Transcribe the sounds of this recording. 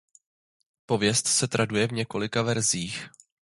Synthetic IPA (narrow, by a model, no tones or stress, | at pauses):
po̞vjɛst̪sɛt̪ɾʔadujɛvɲɛko̞lɪkavɛɾziːx